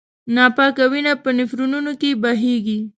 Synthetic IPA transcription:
nɑpɑkawinapənɪfɾununokebaɦeɡi

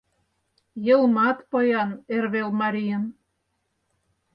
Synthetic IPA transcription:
jɤ̆lˠmɑt̪pɤjɑnerβelmɑɾʲijə̆n

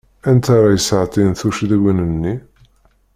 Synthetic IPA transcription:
ænt̪aɾˤɑjəsəʕt̪ˤinθuʃðæwinənːi

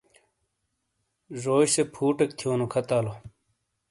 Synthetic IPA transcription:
zoːɕsepʰuːʈek̚t̪ʰjoːnukʰɐt̪aːlo

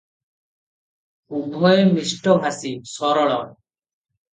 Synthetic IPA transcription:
ubʱɔemisʈɔbʱasisɔɾɔɭɔɾ

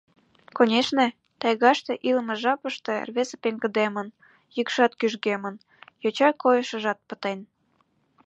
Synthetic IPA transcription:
konʲeʃnĕ | t̪ɑjɣɑʃt̪eʔilmĕʒɑpəʃt̪ḛrβezepeŋɡə̆d̪emən | jəkʃɑt̪kyʒɣemən | jot͡ɕɑkojəʃə̆ʒɑt̪̚pə̥t̪en

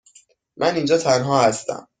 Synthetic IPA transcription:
mʔænind͡ʒɒːt̪ʰænɦɒːhæst̪æ̰m

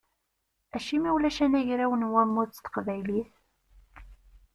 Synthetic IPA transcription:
æʃimiwlæʃænæʝɾæwənwæmːʊt͡sːt̪ːə̥qvæjliθ

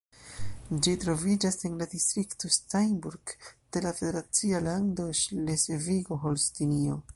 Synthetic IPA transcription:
d͡ʒitɾo̞vid͡ʒase̞nladistɾikto̞stajnbuɾɡd̥e̞lafe̞deɾat͡sialando̞ʃleseviɡo̞ɦolstinio̞

